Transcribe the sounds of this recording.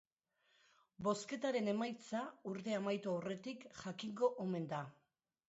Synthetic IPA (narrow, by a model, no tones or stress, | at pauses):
bo̞ske̞t̪aɾe̞ne̞majt͡sauɾt̪e̞amajt̪oawre̞t̪ikʝakiŋɡo̞ʔome̞nd̪a